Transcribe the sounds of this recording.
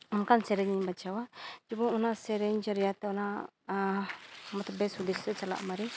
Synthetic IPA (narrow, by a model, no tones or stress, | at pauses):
ɔmkansɛɾɛɲiɲbat͡ʃʰawad͡ʒibɔŋɔnasɛɾɛɲd͡ʒəɾijat̪ɛɔna | mɔt̪ɔbɛsud̪estɛt͡ʃala̰ʔmaɾi